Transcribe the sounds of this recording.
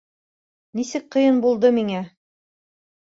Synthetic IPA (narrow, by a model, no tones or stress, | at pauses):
nisɘk̚qɤ̆jɤnbulˠd̪ɤmiŋæ